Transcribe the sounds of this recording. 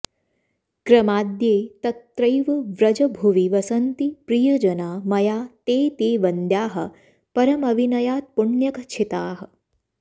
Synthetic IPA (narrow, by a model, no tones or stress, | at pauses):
kɾɐmaːd̪jeːt̪ɐt̪ːɾɐjʋɐʋɾɐd͡ʒɐbʱuʋiʋɐsɐnt̪ipɾijɐd͡ʒɐnaːmɐjaːt̪eːt̪eːʋɐnd̪jaːɦɐ̆ | pɐɾɐmɐʋinɐjaːt̪̚puɳjɐkɐt͡ʃʰit̪aːɦɐ̆